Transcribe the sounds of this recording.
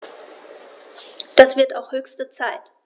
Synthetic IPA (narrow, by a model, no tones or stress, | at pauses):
d̥asv̥ɪɐtaʊxhøːçstət͡saɪt